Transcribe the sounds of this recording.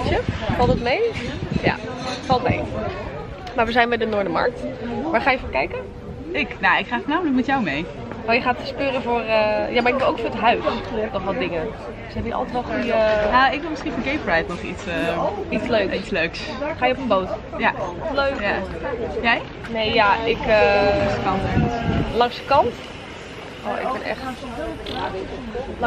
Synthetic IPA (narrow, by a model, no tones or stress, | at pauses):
t͡ʃəflˠtətmejja̰fɑlˠtmḛj | maːɹʋəzɛjnbɛjdənʊːɹdəmɑ̰ɹk̚tʋaːɹχaːjəfɔːɹkɛjkə | ɪknaɪkχaːfnaːmələk̬̚mɛtjawmej | najəχaːtspøːɾəvʊːɹəjamaɹɪɡ̚bɪlˠoʊwkfʊːɹətɦœɥtɔunɔχʋɔtdɪŋən | d̥øsɦɛbjəɑ̰lˠtətʋɔlˠχujənaɪk̚ʋɪlˠmɪsχinfɔnɡejprɛjtnɔχitsəitsløːkitsløɥksχaːjəɔpənboːt | jaløːkjajɛj | nejjaɪkəsəkɑntɛəslɑŋsə̥kɑnt | o̰ɪ̰k̚bɪnɛ̰xt